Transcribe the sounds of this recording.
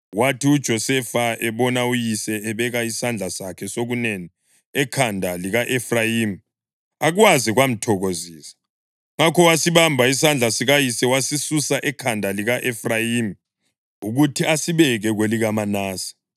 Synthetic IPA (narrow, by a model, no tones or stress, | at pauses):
watiud̥ʒ̥ʱɔsɛfaɛβɔnaujisɛːβɛɣaisand͡ɮʱasakʰɛsoɣuneni | ɛkʰandʱaliɣaʔefrajiːm | aɣuwaziɣwam̩tʰɔɣoziːsḁ | ŋakʰɔwasiβambʱaisand͡ɮʱasiɣajisɛwasisusaʔɛkʰandʱaliɣaʔefrajiːm | uɣutʰiasiβɛɣɛɣweliɣamanaːsḁ